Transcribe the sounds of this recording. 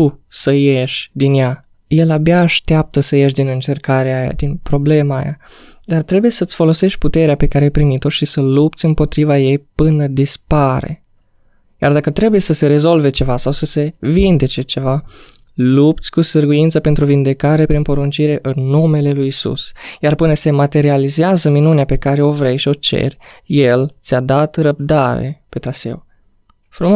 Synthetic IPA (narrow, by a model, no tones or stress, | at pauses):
t̪usəje̞ʃʲd̪inja | je̞labjaːʃt̪eap̚t̪əsəje̞ʃ̬d̪inɨnt͡ʃe̞rkaɾeaja̰d̪inpɾo̞ble̞ma̰ːja̰d̪art̪ɾe̞buje̞sət̪sʲfo̞lo̞se̞ʃt̪̚ʲput̪e̞ɾeapekaɾeajpɾimit̪o̞ʃisəlupt̪sʲɨmpo̞t̪ɾivaje̞jpɨnəd̪ispaɾḛ | jard̪akət̪ɾe̞buje̞səse̞ɾe̞zo̞lve̞t͡ʃe̞vasawsəse̞vind̪e̞t͡ʃe̞t͡ʃe̞va | lup̚t̪sʲkusərɡujint̪səpe̞nt̪ɾuvind̪e̞kaɾe̞pɾinpo̞ɾunt͡ʃiɾe̞ʔɨnːume̞le̞lujisṵsjarpɨnəse̞mat̪e̞ɾializeazəminuneape̞kaɾe̞o̞vɾe̞jʃio̞t͡ʃe̞̰rʲje̞lt̪sʲad̪at̪rəb̚d̪aɾḛpe̞t̪ɾasḛw | fɾum